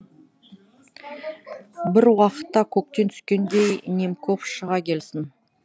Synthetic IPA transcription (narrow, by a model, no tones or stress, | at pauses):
bɪɾwɑqə̥t̪ːɑkʲʰɵk̚t̪e̞nt̪ʰʏ̥skʲe̞nd̪e̞jnʲemkʰofʃəʁɑkʲʰe̞lsɪn